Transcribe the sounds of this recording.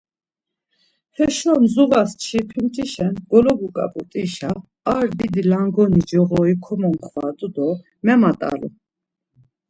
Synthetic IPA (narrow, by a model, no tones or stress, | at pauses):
hɛʃɔmzuvast͡ʃʰipʰimt̪ʼiʃɛnɡ̥ɔlɔɡukʼa̰pʼut̪ʼiʃaː | ɾd̪id̪ilaŋɡɔnid͡ʒɔʁɔikʰɔmɔmχvat̪ʼud̪ɔ | mɛmat̪ʼa̰lṵ